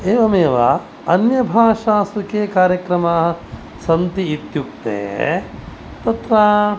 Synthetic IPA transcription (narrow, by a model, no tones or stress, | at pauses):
eːʋɐmeːʋa̰ | ɐnjɐbʱaːʂaːsukeːkaːɾjɐkɾɐmaːɦɐ | sɐnt̪iːt̪juk̚t̪ḛː | t̪ɐt̪ɾaː